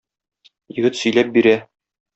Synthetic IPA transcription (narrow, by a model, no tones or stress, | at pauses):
jɘ̆ɡɘt̪sɵ̆jlæp̚biɾæ